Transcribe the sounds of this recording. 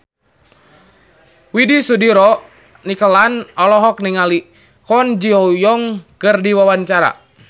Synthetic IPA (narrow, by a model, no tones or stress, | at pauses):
widisudiɾɔ | nikəlanɔlɔɦɔk̚niŋali | kɔnd͡ʒiɦɔjɔŋkərdiwawaɲt͡ʃaɾa̰